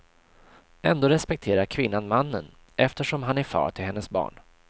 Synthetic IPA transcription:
ɛ̰nd̪oːɾɛspɛk̚t̪ʰeːɾaɾkʰvɪnːanmanːən | ʔɛft̪əʂɔmɦanæɾfɑ̰ːʈʰɪlhɛnːəsbɑ̰ːɳ

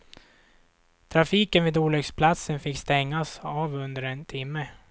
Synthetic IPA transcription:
t̪ʰɾafiːkənvɪːd̪oːlɛɡspʰlat̪sənfɪkːst̪ɛŋːasaːvɵnd̪əɾɛnt̪ʰɪmːə

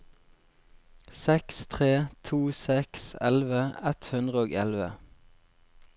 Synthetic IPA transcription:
sɛkst̪ʰʁeːt̪ʰuːsɛksɛlʋəɛt̪hʉnd̪ʁəoːɡɛlʋə

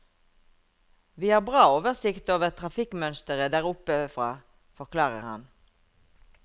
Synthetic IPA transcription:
ʋiːhɑːʁbʁɑːoːʋəʁsɪkt̪oːʋəʁt̪ʰʁɑfɪkmœnst̪əʁəd̪æːʁʊpəfʁɑː | fɔʁkʰlɑːʁə̰ʁhɑ̰n

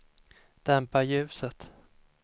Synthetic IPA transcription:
d̪̥ɛmpaɾjʉ̟ːsət̪

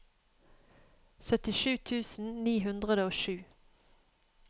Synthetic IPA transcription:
sœt̪ɪʃʉːt̪ʰʉːsn̩niːɦʉnd̪ʁəd̪əoːʃʉː

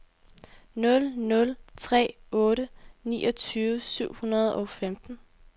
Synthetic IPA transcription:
nɔ̽lnɔ̽lt͡sʰʁɛ̰ːɔ̽ːɾənḭːʔɒ̽t͡sʰyːʋəsyʊ̰hunɐð̞ˠɒ̽femd̥n̩

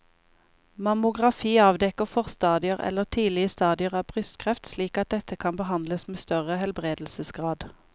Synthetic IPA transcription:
mɑmʊɡʁɑfiːɑːʋd̪ɛkəfɔʁst̪ɑːd̪ɪəʁɛ̰lːəʁt̪ʰiːlɪəst̪ɑːd̪ɪəʁɑːbʰʁʏst̪kʰʁɛft̪sliːkɑt̪̚d̪ɛt̪ʰəkʰɑnbəɦɑnd̪ləsmeːst̪œʁəhɛlbʁeːd̪l̩səsɡʁɑːd̪

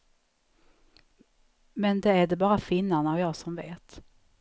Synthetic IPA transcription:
mɛnd̪ɛæɖɛbɑːɾafɪnːanaːvjɑːɡsɔmveːt̪

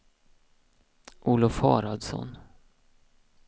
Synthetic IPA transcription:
ʔuːlʊfhɑːɾɑd̪sɔ̰n

